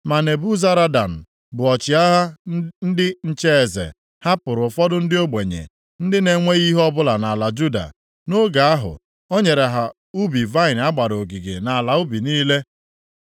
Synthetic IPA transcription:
ma˨ne˨bu˦za˦ɾa˦da˨n̩˨ | bʊ˨ɔ˨t͡ʃɪ˨a˦ɦa˦n̩˦dɪ˦n̩˦t͡ʃe˦e˨zḛ˨ | ha˦pʊ˨ɾʊ˨fɔ˦dʊ˦n̩˦dɪ˦o˦ɡ͡be˨ɲḛ˨ | n̩˦dɪ˦ne˨ŋʷe˦ɣi˦ɦɔ˦bʊ˦la˨na˨a˨la˨d͡ʒu˦da̰˨ | no˦ɡa˨a˦ɦʊ̰˨ | o˦ɲe˨ɾe˨ɦa˨ | u˦bi˨va˦ɪ˨n˨˦a˦ɡ͡ba˨ɾo˨ɡi˨ɡḛ˨na˨la˨u˦bi˨niː˦le˦

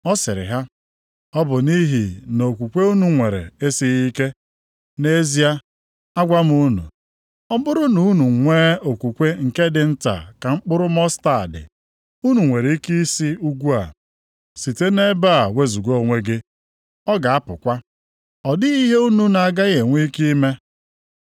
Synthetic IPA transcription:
ɔ˦sɪ˨ɾɪ̰˨ɦa˦ | ɔ˦bʊ˨ni˦ɦi˨no˨kʷu˨kʷe˦u˦nu˨ŋʷe˨ɾḛ˨e˦si˦ɣi˦ke˦ | ne˦zi˦a˦ | a˦ɡʷa˦m˦u˦nṵ˨ | ɔ˦bʊ˦ɾʊ˦nu˨˦nu˨ŋʷe˦o˨kʷu˨kʷe˦ŋ̩˨ke˦dɪ˨n̩˦ta̰˨ka˨ŋ͡m̩˦k͡pʊ˦ɾʊ˦mɔ˦sta̰˨dɪ̰˨ | u˦nu˨ŋʷe˨ɾe˨˦i˦ki˦si˦u˦ɡʷu˦a̰˨ | si˨te˦ne˦ba˦˨we˦zu˨ɡo˦˨ŋʷe˦ɡɪ˦ | ɔ˦ɡa˨a˦pʊ˨kʷa˦ | ɔ˨dɪ˦i˦ɦe˦u˦nu˨na˨ɡa˦ɣe˨ŋʷi˦ki˦me˦

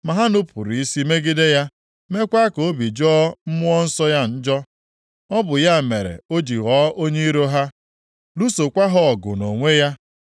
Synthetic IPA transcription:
ma˨ɦa˦nʊ˦pu˨ɾi˨i˦si˦me˦ɡɪ˦de˦ja˦ | me˦kʷa˦ko˨˦bi˨d͡ʒɔː˦m̩˦mʊ˦ɔ˦n̩˦sɔ˦ja˦n̩˦d͡ʒɔ˦ | ɔ˦bʊ˨ja˦˨me˨ɾḛ˨o˦d͡ʒi˨ɣɔː˨˦o˦ɲe˦i˦ɾo˦ɦa˦ | lu˦so˨kʷa˦ɦɔ˦ɔ˨ɡʊ̰˨no˨ŋʷe˦ja˦

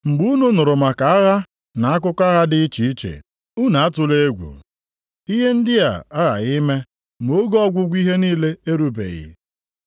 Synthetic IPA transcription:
ŋ͡m̩˨ɡ͡bu˦nu˦nʊ˨ɾʊ˨ma˨ka˨a˦ɣa˦ | na˨a˦k̬ʊ˦kʷa˦ɣa˦dɪ˦i˦t͡ʃi˨i˦t͡ʃḛ˨ | u˦na˨a˦tʊ˨le˦e˦ɡʷṵ˨ | i˦ɦe˦n̩˦dɪ˦a̰˨a˦ɣa̰˨ɣi˦me˦ | mo˦ɡɔ˦ɡʷʊ˦ɡʷi˦ɦe˦niː˦le˦e˦ɾu˦bḛ˨ɣɪ̰˨

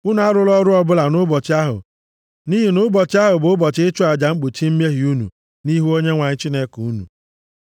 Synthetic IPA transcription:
ʊ˦na˨˦a˦ɾʊ˦lɔ˦ɾʊ˦ɔ˦bʊ˦la˨nʊ˦bɔ˨t͡ʃɪ˦a˦ɦʊ̰˨ | ni˦ɦi˨nʊ˦bɔ˨t͡ʃɪ˦a˦ɦʊ˨bʊ˨˦ʊ˦bɔ˨t͡ʃɪ˦ɪ˦t͡ʃʊ˦a˨d͡ʒa˨ŋ͡m̩˦k͡pu˨t͡ʃi˦m̩˦me˦ɦi˨u˦nṵ˨ | ni˦ɦu˦o˦ɲe˦ŋʷa˨ɲɪ˦t͡ʃi˦ne˦ku˨u˦nṵ˨

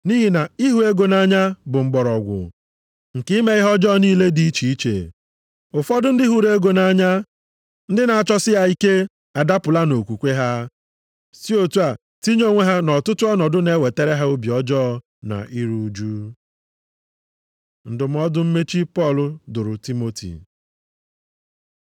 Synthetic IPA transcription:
ni˦ɦi˨na˨i˦ɦu˨˦e˦ɡo˨na˦ɲa˦bʊ˨ŋ͡m̩˦ɡ͡bɔ˨ɾɔ˨ɡʷʊ̰˨ | ŋ̩˨ki˦me˨ɣɪ˦ɦɔ˦d͡ʒɔ˦niː˦˨le˦di˦i˦t͡ʃi˨i˦t͡ʃḛ˨ | ʊ˨fɔ˦dʊ˦n̩˦dɪ˦ɦu˦ɾe˦ɡo˨na˨˦ɲa˦ | n̩˦dɪ˦na˨a˨t͡ʃɔ˦sɪ˦ja˦i˦ke˦ | a˨da˦pʊ˨la˦no˨kʷu˨kʷe˦ɦa˦ | si˦o˦˨tu˦a˨ | ti˦ɲo˦ŋʷe˦ɦa˦nɔ˨tʊ˦tʊ˦ɔ˦nɔ˨dʊ˦ne˦we˨te˦ɾe˦ɦa˦o˦bi˨ɔ˦d͡ʒɔ˦ | na̰˨ʔi˦ɾu˨u˨d͡ʒu˦ | n̩˨dʊ˨m̩˦ɔ˦dʊ˦m̩˦me˦t͡ʃi˦pɔ˦˨lʊ˨dʊ˨ɾʊ˨ti˦mo˦tʰḭ˨

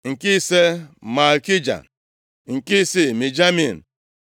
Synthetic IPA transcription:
ŋ̩˨ki˦se˦ma˨lki˦d͡ʒa̰˨ | ŋ̩˨ki˦si˦˨mi˨d͡ʒa˦mi˨n̩˨

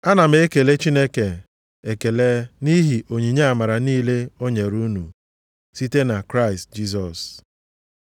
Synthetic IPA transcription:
a˦na˨m̩e˦e˦ke˨le˦t͡ʃi˦ne˦ke˨ | e˨ke˨le˦ni˦ɦi˨ʔo˨ɲi˨ɲe˦a˨ma˨ɾa˨niː˦le˦o˦ɲe˨ɾu˦nu˨ | si˦te˦na˨kɾa˦ɪ˨st̚d͡ʒi˦s̬ɔ˨s

